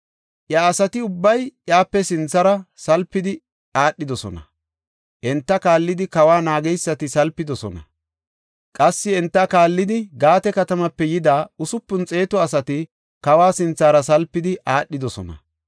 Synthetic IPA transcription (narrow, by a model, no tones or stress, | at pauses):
ʔjaːsɐt̪ɪʊbːɐjjaːpːɛsɪnt͡sːɐɾɐsɐlpːɪd̪ɪ | aːɗːɪd̪ɔsɔ̰nɐ̰ | ʔɛnt̪ːɐkaːlːɪd̪ɪkɐwaːnaːɡɛjsːɐt̪ɪsɐlpːɪd̪ɔsɔ̰nɐ̰ | kʼɐsːɪɛnt̪ːɐkaːlːɪd̪ɪɡaːt̪ɛkɐt̪ɐmɐpːɛjɪd̪aːʊsʊpːʊnt͡sʼe̞ːt̪ɔɐsɐt̪ɪ | kɐwaːsɪnt͡sːaːɾɐs̬ɐlpːɪd̪ɪʔaːɗːɪd̪ɔsɔ̰nɐ̰